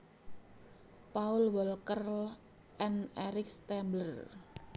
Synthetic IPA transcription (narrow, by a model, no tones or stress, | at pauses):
paʊlwɔlkər | ʔɛnɛɾɪkst̪ɛmblər